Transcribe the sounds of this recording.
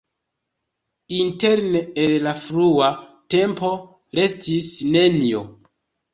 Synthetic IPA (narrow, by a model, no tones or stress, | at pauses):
inte̞ɾneellafɾuate̞mpo̞ | ɾe̞stisne̞nio